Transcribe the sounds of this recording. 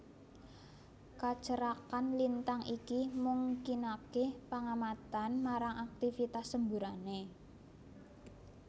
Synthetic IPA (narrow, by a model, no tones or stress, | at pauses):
kat͡ʃəɾakanlint̪aŋʔikimuŋkinakepaŋamat̪anmaɾaŋʔak̚t̪ifit̪asːəmbuɾane